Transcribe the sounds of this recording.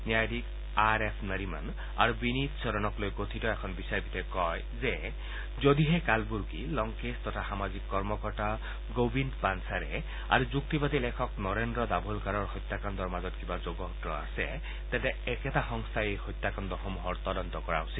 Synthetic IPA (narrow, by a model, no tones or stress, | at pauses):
njajd̪ik | aɹepʰnəɾima̰n | a̰ɹubinit̪sɔɾɔnɔklojɡot̪ʰitɔɛkʰɔnbisaɹbit̪ʰɛkɔj | zɛ | zod̪iɦɛkalbuɹɡilɔŋkest̪ɔtʰaxamazikːɔɹmɔkɔɹta | ɡobindpansaɾɛ̰ | a̰ɹuzuk̚t̪ibat̪ilɛkʰɔknɔɹendɹɔd̪abʱulkaɹɔɹxɔjt̪ːakand̪ɔɹmazɔt̪kibazoɡɔɦɔtɹɔa̰sɛ̰ | t̪ɛtɛɛkɛtaxɔŋst̪ʰaejxɔjt̪ːakand̪ɔxɔmuɦɔɹt̪ɔdɔnt̪ɔkɔɹa̰ɦusil